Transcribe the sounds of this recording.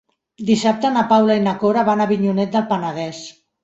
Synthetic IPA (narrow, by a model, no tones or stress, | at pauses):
d̪isap̚t̪ənapawlainakoɾaβanaβiɲunɛt̪̚d̪əlˠpanaðɛs